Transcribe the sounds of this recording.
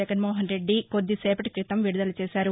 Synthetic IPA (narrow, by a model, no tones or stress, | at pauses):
ɐɡɐnmoːɦɐnɾe̞ɖːiko̞d̪ːisɛːpɐʈi̥kɾit̪ɐmʋiɽud̪ɐlɐt͡ʃɛːsaːɾu